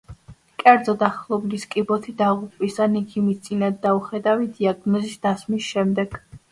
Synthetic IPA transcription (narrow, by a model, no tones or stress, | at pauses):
kʼɛɾd̪zɔd̪aχlˠɔbliskʼibɔt̪ʰid̪aʁupʼlisanikʰimist̪sʼinad̪ːauχɛd̪avid̪iaɡnɔzisd̪̥asmisʃɛmd̪ɛɡ̥